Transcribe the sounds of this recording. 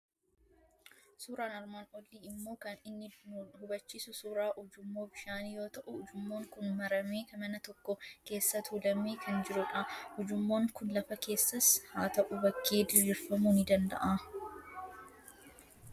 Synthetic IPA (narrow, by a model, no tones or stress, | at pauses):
suːɾaːnɐɾmaːnɔlːiːɪmːo̞ːkɐnɪnːɪhʊbɐt͡ʃːiːsʊsuːɾaːʔʊd͡ʒʊmːo̞ːbɪʃaːnijo̞ːt̪ɐʔʊʊd͡ʒʊmːoːŋkʊnmɐɾɐmeːkɐmɐnɐt̪ɔkːɔke̞ːsːɐt̪uːlɐmeːkʰɐnd͡ʒɪɾʊᶑɐhʊd͡ʒʊmːoːŋkʊnlɐfɐke̞ːsːɐshaːt̪ɐʔʊbɐkʰːe̞ːd̪ɪɾiːɾfɐmuːnɪd̪ɐnd̪ɐ̰ʔaː